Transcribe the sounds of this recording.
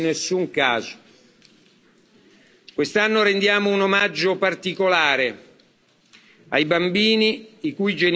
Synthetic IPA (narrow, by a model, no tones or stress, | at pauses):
nːesːuŋkaːzʊ̥ | kwest̪anːʊɾend̪jaːmounomad͡ʒːopart̪ikolaːɾe | ajbambiːniikujd͡ʒen